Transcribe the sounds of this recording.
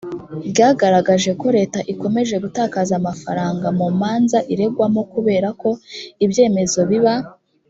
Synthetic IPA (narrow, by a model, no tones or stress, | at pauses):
bɟaːɡaɾaɡaʒe̞ko̞ɾe̞ːtaʔiko̞me̞ʒe̞ɡutaːkazamafa̰ɾaːŋɡamumaːnzaʔiɾe̞ɡwamo̞kuβe̞ːɾako̞ibje̞ːme̞zo̞βiβa